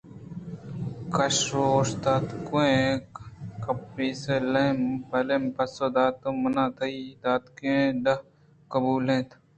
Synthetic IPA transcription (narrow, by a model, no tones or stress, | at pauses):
kɐʃɾost̪aːt̪kuẽ | kɐp̚ɾiːselempɐlempɐsoːd̪aːt̪omɐnãːt̪ɐid̪aːt̪kẽɖɐ | kɐbuːlẽːt̪ʰ